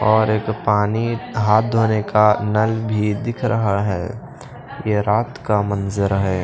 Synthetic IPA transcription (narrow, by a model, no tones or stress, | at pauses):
ɔːɾeːkpaːniɦaːt̪̚ʰd̪ʱoːnekanəlbʱid̪ɪkʰɾʔəɦaɦɛː | jeɾaːt̪kamənzəɾɦɛː